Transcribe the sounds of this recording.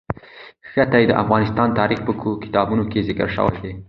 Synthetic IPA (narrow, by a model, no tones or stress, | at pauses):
xat̪ajd̪əʔa̰fɣɑnɪst̪ɑnt̪ɑɾixpəkkɪ̥t̪ɑbunokezɪkə̰ɾʃə̰wa̰jd̪e